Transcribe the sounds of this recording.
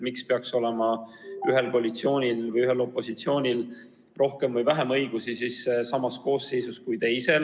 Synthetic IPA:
mikspeɑkso̞le̞mɑyɦe̞lkoɑlʲit̪sio̞ːnʲilvɤjyɦe̞lo̞pːˑo̞sit̪sio̞ːnʲil | ro̞hke̞mvɤjvæɦemɤjɡ̥usisissɑmɑsko̞ːsːe̞jsuskujt̪e̞jse̞l

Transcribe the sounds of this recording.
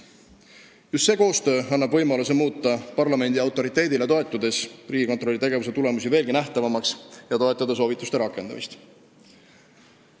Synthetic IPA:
just̪se̞ːko̞ːst̪ø̞ːɑnːɑbvɤ̞jmɑlusemuːt̪ːɑpɑrlɑme̞nd̪iɑwt̪ːˑo̞ɾit̪ːˑe̞ːd̪ile̞t̪o̞e̞t̪ːˑud̪̥e̞sriːɡiko̞nt̪ɾrolːit̪e̞ɡ̥e̞vus̬e̞t̪ule̞musive̞ːlɡinæht̪ɑvɑmɑksjɑt̪o̞et̪ːˑɑd̪̥ɑs̬o̞ːvit̪ːˑust̪e̞ɾɑkːˑe̞nd̪ɑ̰mḭst̪

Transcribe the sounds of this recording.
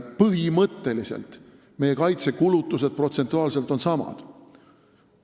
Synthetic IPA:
pɤɦimɤt̪ːe̞lisḛlt̪ | me̞je̞kɑjt̪se̞kulut̪ːˑuse̞d̪̥̚pro̞t̪se̞nt̪ːˑuɑːlse̞lt̪o̞nsɑmɑ̰d̪̥

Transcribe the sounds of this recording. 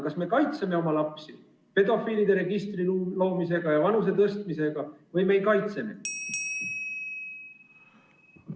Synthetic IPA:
kɑsme̞kɑjt̪se̞me̞o̞mɑlɑpsi | pe̞d̪̥o̞fiːlid̪e̞ɾe̞ɡ̥ist̪riulo̞ːmise̞ɡ̥ɑjɑvɑnus̬e̞t̪ɤst̪̚mise̞ɡ̥ɑvɤjme̞jkɑjt̪se̞me̞̰

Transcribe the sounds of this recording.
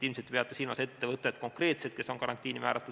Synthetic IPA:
ilmset̪ːˑepeɑt̪ːˑesiːlmɑ̰se̞t̪ːe̞vɤt̪ˑːet̪ːko̞ŋkre̞ːt̪set̪̚ke̞so̞nkɑɾɑnt̪ːˑiːnimæ̰ːɾʔɑt̪ːˑu

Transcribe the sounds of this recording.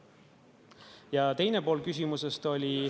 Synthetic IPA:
jɑt̪e̞jne̞po̞ːlkys̬ʲimuse̞st̪o̞lʲi

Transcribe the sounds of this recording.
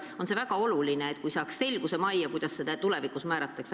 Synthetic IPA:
o̞nse̞væɡ̥ɑo̞lulineːt̪kujsɑːksse̞lɡ̥use̞mɑjɑkujd̪̥ɑsːed̪ɑt̪ulevikˑusmæːɾɑt̪ːˑɑks

